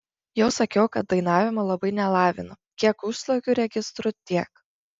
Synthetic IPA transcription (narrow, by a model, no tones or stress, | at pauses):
jɛʊsɐkʲɛʊkɐt̪̚d̪ɐɪnɑːʋʲɪmɐlˠɐbɐɪnʲɛlˠɑːʋʲɪnɐ | kʲiɛkʊʃslˠokʲuɾʲɛɡʲɪst̪ɾʊt̪ʲiɛk